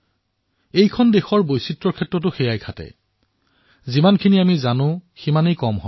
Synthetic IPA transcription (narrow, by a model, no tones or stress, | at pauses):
ejkʰɔndexɔɹbojsitɹɔɹkʰɛtɹɔt̬ʊxejajkʰatɛ̰ | zimankʰiniamizanʊ̃ximanejkɔmɦɔ̰j